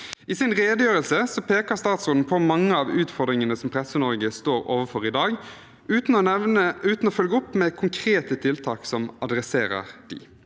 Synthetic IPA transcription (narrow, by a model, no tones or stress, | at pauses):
ɪsɪnʁeːd̪əjøːʁəlsəsɔpʰeːkəʁst̪ɑːt̪sʊnn̩pʰɔmɑŋːəɑːʋʉːt̪fɔʁd̪ʁɪŋənəsɔmpʰʁɛsːənɔɾɡəst̪oːɾo̰ːʋəfɔɾɪd̪ɑːɡ | ʉːt̪n̩ɔəʉːt̪n̩ɔfœlɡəʊpːmɛkʰʊŋkʰɾeːt̪ət̪ʰɪlt̪ʰɑːksɔmɑd̪ɾɛseːɾə̰ʁd̪̥ɪ̰